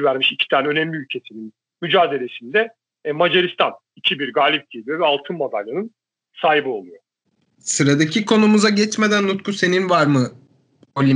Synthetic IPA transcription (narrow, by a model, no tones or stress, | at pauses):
væɾmiʃicʰi̥t̪ʰaːnɛø̞nɛmlʲiylʲcʰe̞sinin | myd͡ʒaːd̪e̞lʲe̞sind̪ɛ | mad͡ʒeɾist̪ʰan | icʰibiɾɡaːlʲip̚ɟ̥elʲijo̞vɛalˠt̪ʰɯnmod̪a̰lʲːanɯn | saːɦibɯo̞lˠujo | sɯɾad̪acʰikʰo̞numuzaɟɛt͡ʃme̞d̪ænlut̪kʰuse̞ninvaɾmɯ | olʲi